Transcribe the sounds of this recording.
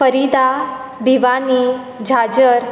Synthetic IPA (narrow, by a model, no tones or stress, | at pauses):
fəɾid̪a | biʋani | d͡ʑʱad͡ʑəɾ